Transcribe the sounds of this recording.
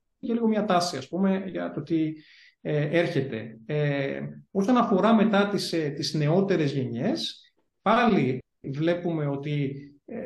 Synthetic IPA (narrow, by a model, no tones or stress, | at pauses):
celiɣo̞mɲɐt̪ɐsiɐspume̞ʝɐ̰t̪o̞t̪i | eeɾçe̞t̪e̞̰eo̞sonɐfo̞ɾɐme̞t̪ɐt̪ist̪izne̞o̞t̪e̞ɾe̞zʝe̞ɲe̞s | pɐli | vle̞pume̞o̞t̪i | e